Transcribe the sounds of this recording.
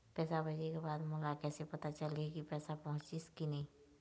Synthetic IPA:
pɛːsabʱɐd͡ʒekebaːd̪mʊlakɛːsepɐt̪at͡ʃəlekipɛːsapɐɦʊ̃t͡ʃɪskinɐɦĩː

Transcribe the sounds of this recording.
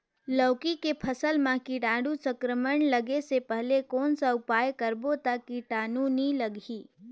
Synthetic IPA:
ləːkikepʰəsəlmãkiɖãːɖusə̃kɾəməɳləɡesepɛɦlekɔːnsaʊpaːjkəɾbot̪akiʈaːnũniləɡiː

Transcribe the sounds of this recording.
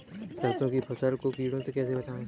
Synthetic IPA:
sɐɾsõkipʰɐsəlkokiːɽõsekɛːsebɐt͡ʃaːẽ

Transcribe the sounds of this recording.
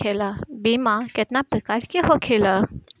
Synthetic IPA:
elabimãket̪napɾəkaɾkeɦokʰela

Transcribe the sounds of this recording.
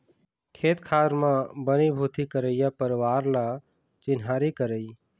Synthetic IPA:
kʰeːt̪kʰaɾmãbənibʱut̪ikəɾəjapəɾwaːɾla | t͡ʃɪnɦaɾikəɾəi

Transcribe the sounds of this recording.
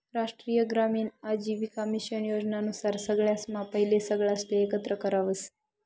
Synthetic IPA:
ɾaʂʈɾijəɡɾamiːnad͡ʑiʋikəmiʃənjod͡ʑnanusaɾsəɡɭjasmapəɦilesəɡɭjast̪eːkət̪ɾəkəɾaʋəs

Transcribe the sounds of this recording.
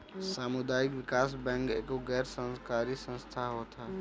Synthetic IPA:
saːmʊd̪aːɪkʋɪkaːsbɛ̃ŋkeːkoɡɛːɾsə̃nskaːɾisə̃nst̪ʰaɦoːt̪ʰaː

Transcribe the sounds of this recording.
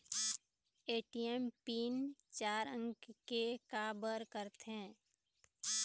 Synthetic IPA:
eːʈiɛmpiːnt͡ʃaːɾə̃ŋɡkekaːbəɾkəɾt̪ɦɛ̃ː

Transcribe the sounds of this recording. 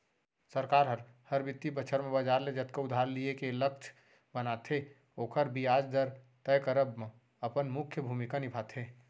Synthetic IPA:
səɾkaːɾɦəɾ | həɾbɪt̪ːibət͡ʃʰəɾmẽbəd͡ʒaːɾled͡ʒət̪keʊd̪ʱaːɾliekeləkt͡ʃʰ | bənat̪ʰe | oːkʰəɾbiaːd͡ʒd̪əɾ | t̪əjkəɾəbme | əpənmʊkʰjəbʱumikanɪpʰaːt̪ʰeː

